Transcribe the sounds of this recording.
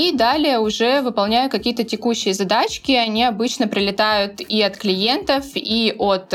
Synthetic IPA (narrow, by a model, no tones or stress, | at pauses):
id̪alʲɪjəʊʐɛvɨpɐlˠnʲæjʊt̪̚kɐkʲijət̪ətʲɪkuɕːɪjəzɐd̪at͡ɕkʲɪɐnʲiɐbɨt͡ɕnəpɾʲɪlʲɪt̪ajʊt̪iɐt̪klʲɪje̞nt̪əfiʔot̪